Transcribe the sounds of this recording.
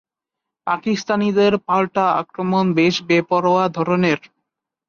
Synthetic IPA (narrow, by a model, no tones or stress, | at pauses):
pakist̪anid̪eɾpalʈaa̰kɾomonbeʃbepɔɾoad̪ʱɔɾoneɾ